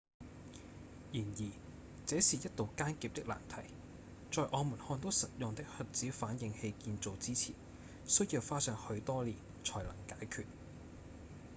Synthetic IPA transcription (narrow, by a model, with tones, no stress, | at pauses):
jiː˨˩njiː˨˩ | t͡sɛː˨˥siː˨˩jɐ˥t̚t̪o˨wkaː˥nkiː˨p̚t̪ɪ˥k̚la̰ː˨˩nt̪ʰɐ˨˩j | t͡sɔː˨˧jʔɔː˨˧muː˨˩nhɔː˧nt̪o˥wsɐ˨t̚jʊ˨ŋt̪ɪ˥k̚hɵ˨˧t̚t͡siː˨˥faː˨˥njɪ˨˧ŋhe˧jkiː˧nt͡so˨wt͡siː˥t͡sʰḭː˨˩n | sɵ˥ji˧wfaː˥sœː˧ŋhɵ˧ɥt̪ɔː˥liː˨˩n | t͡ʃʰɔː˨˩jlɐ˨˩ŋkaː˨˥jkʰyː˨t̚